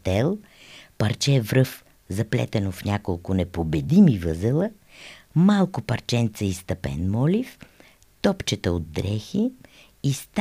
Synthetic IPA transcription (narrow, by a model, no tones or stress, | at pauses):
t̪ɛlˠ | pɐɾt͡ʃɛvɾɤf | zɐplʲɛ̰t̪ɛnofnʲakolˠkʊnɛpobɛd̪imivəzɛlˠə | malˠkʊpɐɾt͡ʃɛnt̪səist̪ɐpɛ̰nmɔlʲif | t̪ɔpt͡ʃɛt̪əod̪̚ːɾɛxiː | st̪